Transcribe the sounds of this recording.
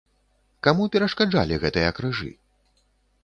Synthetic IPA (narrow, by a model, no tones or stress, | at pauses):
kamupʲɛɾɐʂkad͡ʐa̰lʲiɣɛt̪ɨjɐkɾɨʐɨ̰